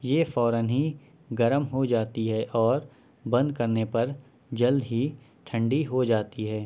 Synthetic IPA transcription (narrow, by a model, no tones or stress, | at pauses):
jeːfɔːɾənɦi | ɡɐɾəmɦod͡ʒaːt̪iɦɛʔɔːɾ | bɐ̃nd̪̚kɐɾnepɐɾ | d͡ʒɐld̪ɦi | ʈʰə̃ɳɖiɦod͡ʒaːt̪iɦɛː